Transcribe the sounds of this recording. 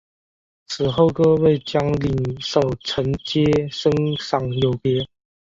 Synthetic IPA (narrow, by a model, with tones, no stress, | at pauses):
t͡sʰɹ̩˨˩xo˥˧ʊkɤ˥we˥˨ɪt͡ɕjɑ˥ŋli˨˩ŋʂo˨˩ʊʈ͡ʂʰə˨˧˥ŋt͡ɕjɛ˥ʂə˥ŋʂɑ˥˩ŋjo˧˥ʊkjɛ˥